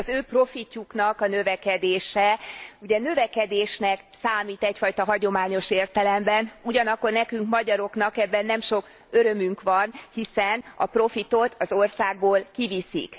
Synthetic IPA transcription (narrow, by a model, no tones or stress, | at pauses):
ɒzøːpro̞ficːuknɒkɒnø̞vɛkɛd̪eːʃɛuɟɛnøvɛkɛd̪eːʃnɛk | saːmiːt̪ɛcfɒjt̪ɒɦɒɟo̞maːɲo̞ʃeːrt̪ɛlɛmbɛnuɟɒnɒkːo̞rnɛkyŋkmɒɟɒɾo̞knɒkɛbːɛnːɛmʃo̞k | øɾø̞myŋkʋɒnhisɛnɒ̰pro̞fit̪o̞t̪ʰɒzorsaːɡ̚boːlkivisḭk